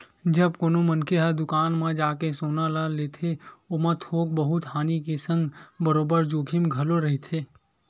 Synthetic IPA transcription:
d͡ʒɐb̚koːnomɐnkeɦəd̪ʊkaːnmãd͡ʒaːkesoːnalaleːt̪ʰeoːmɐ̃t̪ʰoːk̚bəɦʊt̪ɦaːnikesə̃ŋɡbəɾoːbəɾd͡ʒoːkʰɪmɡʱɐloɾɐɦit̪ʰeː

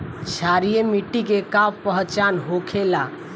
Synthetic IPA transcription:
t͡ʃʰaɾijemiʈːikekabpəɦt͡ʃanɦokʰela

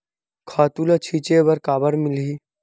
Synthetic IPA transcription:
kʰaːt̪ulɐt͡ʃʰit͡ʃebɐɾkaːbəɾmɪli

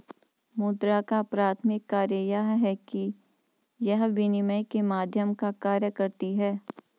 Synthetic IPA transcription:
muːd̪ɾakapɾaːt̪ʰmɪkːaːɾjəjaɦɦɛki | jɐɦʋinɪməjkemaːd̪ʱjəmkakaːɾjəkɐɾt̪iɦɛː

